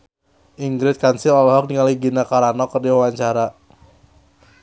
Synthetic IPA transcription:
ʔiŋɡɾɪt̪̚kansɪɔlɔɦɔk̚niŋaliɡinakaɾanɔkərdiwawaɲt͡ʃaɾa

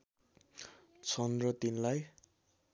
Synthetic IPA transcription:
t͡sʌnd̪rʌt̪inlaj

